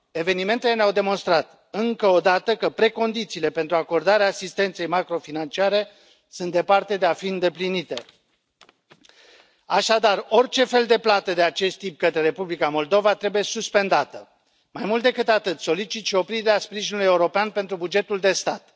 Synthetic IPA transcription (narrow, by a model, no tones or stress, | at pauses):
e̞ve̞nime̞nt̪ele̞neawd̪e̞mo̞nst̪ɾat̪ | ɨŋkəo̞d̪at̪əkəpɾe̞ko̞nd̪it̪siːle̞pe̞nt̪ɾuako̞rd̪aɾeaːsist̪e̞nt̪se̞jmakɾo̞finant͡ʃiaɾe̞ | sunt̪d̪e̞part̪e̞d̪e̞afiɨnd̪e̞plinit̪e̞ | aʃad̪aro̞rʲt͡ʃe̞fe̞ld̪e̞plat̪əd̪e̞at͡ʃe̞st̪ːip̚kət̪ɾeɾe̞publikamo̞ld̪o̞vat̪ɾe̞buje̞suspe̞nd̪at̪ə | majmult̪̚d̪e̞kɨt̪at̪ɨt̪so̞lit͡ʃit̪ʃio̞pɾid̪eeaspɾiʒinuluje̞uɾo̞peanpe̞nt̪ɾubud͡ʒe̞t̪uld̪e̞st̪at̪